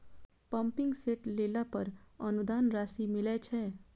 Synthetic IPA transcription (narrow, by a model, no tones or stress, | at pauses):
pəmpɪ̃ŋɡseʈlelapəɾənud̪aːnɾasimilɛt͡ʃʰɛ